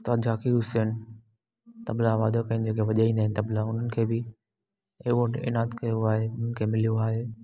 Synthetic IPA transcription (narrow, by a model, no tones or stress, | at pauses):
t̪ɐd͡ʑaːkiɾʊsən | t̪ɐblaʋaːd̪okɐɪnɪd͡ʑeːkʰeʋɐʄaːĩːnd̪aːɦɪ̃nɪt̪ɐblaʊn̤ənɪkʰeːbɪ | eːʋõʈḛːnaːd̪kɐjoaːɦeʊn̤ənɪkʰeːmɪlijuaːɦeː